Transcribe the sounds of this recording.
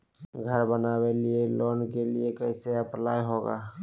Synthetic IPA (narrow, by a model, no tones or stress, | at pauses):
ɡʱəɾbənabelieloːnkeliekəɪseəplaːiɦoɡa̰ː